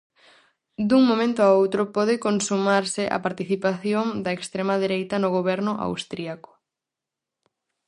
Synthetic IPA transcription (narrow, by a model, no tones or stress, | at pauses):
d̪uŋmõmẽnt̪ʊaowt̪ɾʊpɔðɪkonsumaɾsɪʔa̰paɾt̪iθipaθjoŋd̪ɐekst̪ɾemɐðeɾejt̪ɐnʊɣoβɛɾnʊʔa̰wst̪ɾiakʊ̥